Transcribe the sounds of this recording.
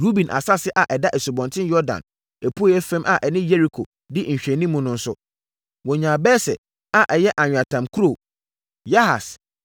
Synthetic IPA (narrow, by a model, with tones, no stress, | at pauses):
ɾu˦bĩ˨nʔa̰˨sa˦sɪ˦ʔa˨ʔɛ˨da˦ʔɛ˨so˨bɔ̃˨ntʰɪ̃˦njɔ˦dã̰˨n | ɛ˨pʰu˦ɛ˦fɛ̃˦mʔa˨ʔɛ˨nɪ̃˦jɛ˦ɾi˨kʰo˨ | dɪ˦ɲ̩˨ɕᶣɛ̃˨nĩ˦mːũ˦nʊ̃˦n̩˦sʊ˦ | wɔ̃˨ɲã˨bɛː˦sɛ̰˨ | a˨ʔɛ˨jɛ˦ʔa˨ɲᶣ˨a˨tʰã˨mkʰu˦ɾo˦˨ | ja˦ha̰˨s